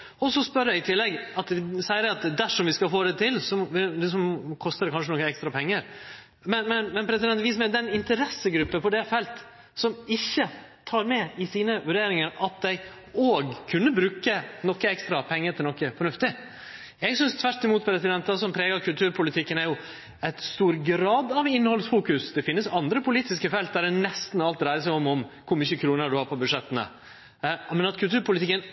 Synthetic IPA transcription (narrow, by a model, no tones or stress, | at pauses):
ɔsɔspœɾjæɪt̪ʰɪlːɛɡɑt̪sɛɪəɾɛɑt̪d̪æʂɔmʋɪskɑfoːd̪ɛt̪ʰɪlsɔɛsɔmkʰɔst̪əɾd̪ɛkʰɑnʂənɔkːəɛkst̪ɾɑpʰɛŋːəɾ | mɛnmɛnmɛnpʰɾɛsɪd̪ɛnt̪ʋiːs̬ɔmɛd̪ɛnɪnt̪əɾɛsːəɡɾʉpːəpɔd̪ɛfɛlt̪ | sɔmɪçːət̪ʰɑːɾmɛɪsiːnəʋʉɖeːɾɪŋəɾɑt̪̚d̪æɪ | oːɡkʰʉnːəbɾʉːkənɔkːəɛkst̪ɾɑpʰɛŋːət̪ʰɪlnɔkːəfɔɳʉft̪ɪ | jɛɡsʏnst̪ʰʋæɾʈɪmuːt̪̚pʰɾɛsɪd̪ɛnt̪ɑsɔmpʰɾɛːɡɑɾkʰʉlt̪ʉːɾpʰʊlɪt̪ʰɪkːənæɾjʊ | ɛt̪st̪uːɾɡɾɑːd̪ɑʋɪnhɔlsfuːkʉsd̪ɛfɪnːəsɑnd̪ɾəpʊliːt̪ɪskəfɛlt̪̚d̪æɖɛnɛst̪n̩ɑlt̪ɾæɪɾəsæɪɔmɔmkʰʊɾmʏçəkʰɾuːnəɖʉhɑːɾpʰɔbʉd̪ʂɛt̪ːənə̰ | mɛnɑt̪kʰʉlt̪ʰʉːɾpʊlɪt̪ɪkːən